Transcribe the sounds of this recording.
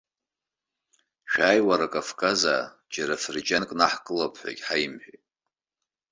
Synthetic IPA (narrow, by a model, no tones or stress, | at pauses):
ʃᶣaːjwaɾakʼafkʼaza̰ | d͡ʒaɾafɨrd͡ʒankʼnaħkʼɨlapʰħʷa̰kʲʼħajmħʷᶣojtʼ